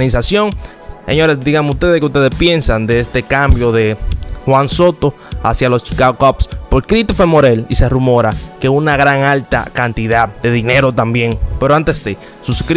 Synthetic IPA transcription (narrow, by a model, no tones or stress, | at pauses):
nisasjo̞ŋ | sḛɲo̞ɾe̞sd̪iɣameust̪e̞ðekeust̪e̞ðespje̞nsand̪eest̪e̞kambjo̞ðe̞xwanso̞t̪o̞ | asjalo̞st͡ʃi̥kaɣokopspo̞lkɾit̪ofemo̞ɾe̞lise̞rumo̞ɾake̞unaɣɾaŋalt̪a̰kant̪iðað̚d̪e̞ðine̞ɾo̞t̪ambje̞ŋpe̞ɾoant̪esd̪e | susk